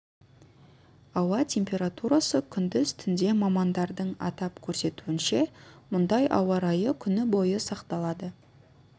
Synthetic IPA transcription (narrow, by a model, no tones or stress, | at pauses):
ɑwɑt̪ʲʰe̞mpʲe̞ɾat̪uɾɑsəkʲʰʏnd̪ɪzt̪ʰʏnd̪e̞mɑmɑnd̪ɑɾd̪əɴɑ̰t̪ɑpkʲʰɵɾse̞t̪uɪnʃe̞mʊnd̪ɑjʔɑ̰wɑɾɑjəkʲʰʏnɪbo̞jəsɑqt̪ɑlˠɑd̪ə